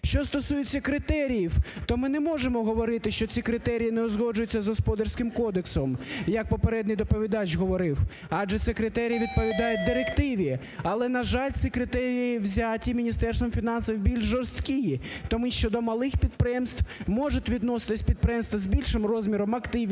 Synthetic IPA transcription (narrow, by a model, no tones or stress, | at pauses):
ʃt͡ʃɔst̪ɔsujɪt͡sʲːɐkɾɪt̪ɛɾʲijiwt̪ɔmɪnɛmɔʒemɔɦɔʋɔɾɪt̪ɪʃt͡ʃɔt͡sʲikɾɪt̪ɛɾʲijinɛɔzɦɔd͡ʒʊjʊt͡sʲːɐzɦɔspɔd̪ɐrʲsʲkɪmkɔd̪eksɔmjɐk̚pɔpeɾɛd̪nɪjd̪ɔpɔʋʲid̪ɑt͡ʃɦɔʋɔɾɪw | ɑdʒɛt̪sɛkɾɪt̪ɛɾʲijiʋʲid̪̚pɔʋʲid̪ɑjʊt̚ʲd̪ɪɾekt̪ɪʋʲi | ɐlˠɛnɐʒɑlʲt͡sʲsʲikɾɪt̪ɛɾʲijiʋzʲatʲimʲinʲist̪ɛrst̪ʋɔmfʲinɑnsɐwbʲilʲʒʒɔrst̪kʲijit̪ɔmiʃt͡ʃɔd̪ɔmɐlˠɪxpʲid̪̚pɾɪjɛmst̪ʋmɔʒʊtʲʋʲid̪nɔsɪ̥t̪ɪsʲpʲid̪̚pɾɪjɛmst̪ʋɐzbʲilʲʃɪmrɔzʲmʲiɾɔmɐkt̪ɪʋʲ